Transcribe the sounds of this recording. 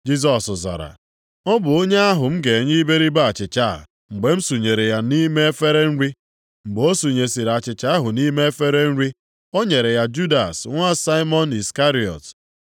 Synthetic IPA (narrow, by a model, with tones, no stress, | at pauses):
d͡ʒi˦s̬ɔ˨sʊ˨za̰˨ɾa̰˨ | ɔ˦bʊ˨o˦ɲe˦a˦ɦʊ˨m̩˦ɡe˨ɲi˦be˦ɾi˦ba˦a˨t͡ʃɪ˨t͡ʃa˦˨ | ŋ͡m̩˨ɡ͡be˨m̩˦su˨ɲe˨ɾe˨ja˦ni˦me˦e˦fe˦ɾe˦n̩˦ɾi˦ | ŋ͡m̩˨ɡ͡bo˦su˨ɲe˨si˨ɾa˨t͡ʃɪ˨t͡ʃa˦ɦʊ˨ni˦me˦e˦fe˦ɾe˦n̩˦ɾi˦ | o˦ɲe˨ɾe˨ja˦d͡ʒu˦da˨sŋʷa˦sa˦ɪ˦mɔ˦ni˨ska˦ɾi˨ɔ̰˨t